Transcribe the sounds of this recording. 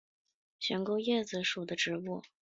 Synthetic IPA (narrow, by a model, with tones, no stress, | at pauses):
ɕɥɛ˧˥ŋko˥ʊjɛ˥˩d͡z̩˨˩ʂu˨˩d̪ə˦ʈ͡ʂɻ̩˧˥wu˥˩